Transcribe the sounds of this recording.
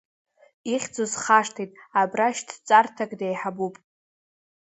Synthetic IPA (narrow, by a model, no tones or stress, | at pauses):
iχʲd͡zozχaʂtʰijtʼabraʃtʰt͡sʼartʰakʼdejħabupʼ